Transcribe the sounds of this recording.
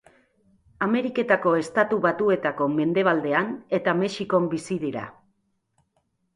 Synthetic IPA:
ame̞ɾike̞t̪ako̞e̞st̪at̪uβat̪ue̞t̪ako̞me̞nd̪e̞β̞ald̪e̞ane̞t̪ame̞ʃiko̞mbisiðiɾa̰

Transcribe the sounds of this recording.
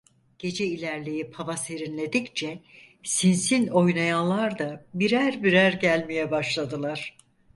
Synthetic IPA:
ɟ̥e̞d͡ʒɛilʲæɾlʲejipʰavase̞ɾinlʲe̞d̪ict͡ʃʰɛ | sinsinʲo̞jnajalˠaɾd̪abiɾæɾbiɾæɾɟælʲmijɛbaʃlˠad̪ɯlˠaɾ̥

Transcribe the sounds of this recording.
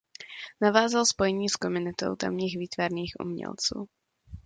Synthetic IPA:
navaːzalspojɛɲiːskomʊnɪt̪o̰wt̪a̰mɲiːɣviːt̪vaɾniːxʔṵmɲɛ̰lt͡sṵː

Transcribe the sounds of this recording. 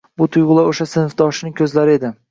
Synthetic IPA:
bʊt̪ʰʊjʁʊlˠaoʃasɪnfd̪ɒʃɪnɪkʲʰɵzlaɾɪe̞d̪ɪ

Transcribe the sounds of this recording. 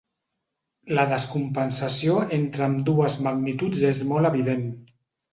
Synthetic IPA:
ləðəskumpənsəsioent̪ɾəːmd̪uəzmaɣnit̪ud͡zezmɔləβiðen

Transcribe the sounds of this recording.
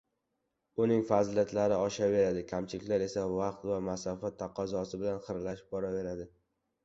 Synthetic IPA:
ʊnɪŋfazljat̪ʰlaɾɪɒʃave̞ɾad̪ɪkʲʰamt͡ʃʰɪlɪkʲlaɾe̞savɑqt̪vamasɒfat̪ʰːɑqʰɒzɒsɪbɪlanχɨɾlaʃɪ̥b̚bɒɾave̞ɾad̪ɪ

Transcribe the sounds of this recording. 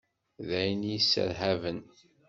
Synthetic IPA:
ðæjənjisːə̰ɾɦævən

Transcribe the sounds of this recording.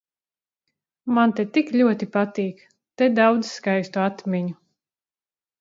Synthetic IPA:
mant̪et̪iklʲuɔt̪ipat̪iːk | t̪ɛd̪awd̪zskajst̪uat̪mʲiɲu

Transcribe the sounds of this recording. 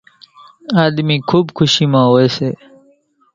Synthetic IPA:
aːd̪miːkʰuːbkʊʃiːmãːɦoːeseː

